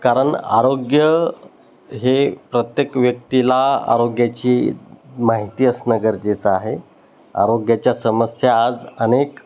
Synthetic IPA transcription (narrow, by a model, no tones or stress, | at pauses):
kaɾəɳa̰ɾoɡjə | ɦepɾət̪jekʋjək̚t̪ilaa̰ɾoɡjat͡ɕiːmaɦit̪iːəsnəɡəɾd͡ʑet͡səaɦe | a̰ɾoɡjat͡ɕjasəməsjaːd͡zənek